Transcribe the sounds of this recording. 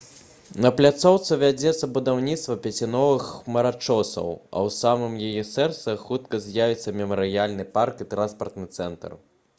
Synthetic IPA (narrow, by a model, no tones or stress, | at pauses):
nɐplʲat̪sɔwt̪sɨvʲad͡zʲɛt̪sːɐbud̪awnʲit̪st̪vɐpʲɛt͡sʲinɔvɨxmɐɾat͡ʂɔsɐ̰wɐ̰wsamɨmjajɛsɛrt̪sɨxut̪kɐzʲjavʲit̪sːɐmʲɛmɐɾɨjalʲnɨparkit̪ɾanspɐrt̪nɨt̪sɛnt̪ɐ̰r